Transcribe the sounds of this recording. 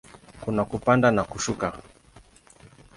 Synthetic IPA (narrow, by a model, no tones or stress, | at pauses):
kunakupandanakuʃuka